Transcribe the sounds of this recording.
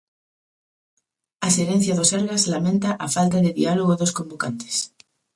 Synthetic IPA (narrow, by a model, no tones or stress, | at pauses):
aseɾen̟θjaðoseɾɣazlamẽnt̪aʔafalt̪̬aðeðḭaloɣoðoskombokant̪e̥s